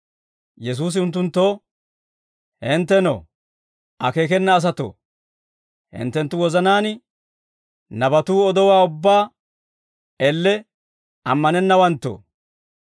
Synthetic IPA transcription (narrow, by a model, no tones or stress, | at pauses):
jɛs̬uːs̬ɪʊnt̪̬ːʊnt̪ːoː | hɪnt̪ːɛno̰ | ʔɐke̞ːk̬ɛnːɐːs̬ɐt̪o̰ː | hɪ̰nt̪ːɛnt̪ːʊwɔzɐnaːn | nɐbɐt̪uːɔd̪ɔwaːʊbːaː | ɛlːɛ | ɐmːɐnɛnːɐwɐnt̪ːo̰ː